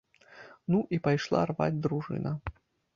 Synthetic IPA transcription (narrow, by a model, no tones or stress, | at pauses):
nuʔipajʂlˠa̰rva̰d͡zʲd̪ɾuʐɨ̰nɐ